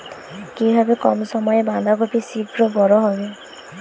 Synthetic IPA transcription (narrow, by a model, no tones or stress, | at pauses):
kibʱabekɔmsɔmɔjeband̪ʱaɡɔpʰisikɹɔbɔɹɔɦɔbe